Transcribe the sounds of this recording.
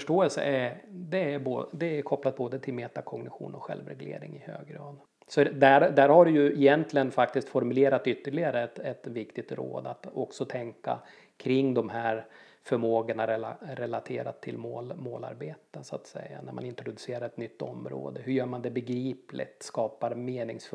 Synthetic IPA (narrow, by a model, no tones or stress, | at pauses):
fœʂʈoːɛlsə̰ɛd̪ɛæɾboːd̪ɛːɾkʰɔpːlat̪̚boːd̪ət̪ʰɪlmeːt̪akʰɔŋɡnɪɧṵːnɔkɧɛ̰lvɾɛ̰ɡlḛːɾɪ̰ŋɪhø̰ːɡɾɑːd̪ | sɔd̪æɾd̪æːɾhaɖɛjɵɛjɛnt̪ʰlɪɡənfakt̪ɪst̪fɔɾmɵleːɾat̪ʏt̪ːəɭɪɡaɾəɛt̪ɛt̪vɪkt̪ɪɡt̪ɾo̰ːd̪at̪ɔksɔt̪ʰɛŋka̰ | kʰɾɪŋːd̪ɔmɦæɾ | fœɾmoːɡənaɾɛaɾɛlat̪ʰeːɾat̪ʰːɪlmoːlmoːla̰ɾbeːt̪əsʊat̪sɛ̰jːa̰næɾma̰nɪnt̪ɾʊd̪ɵseːɾaɾɛt̪nʏt̪ʰːɔmːɾo̰ːd̪əɦɵjœːɾmand̪ɛbɛɡɾiːplɪ̰t̪skɑːpaɾmeːnɪŋsf